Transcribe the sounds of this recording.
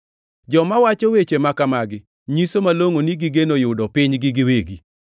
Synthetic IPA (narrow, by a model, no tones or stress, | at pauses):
d͡ʒɔmawat͡ʃɔwet͡ʃemakamaɡɪ | ɲisomaloŋoniɡɪɡenojʊdɔpɪɲɡɪɡɪweɡi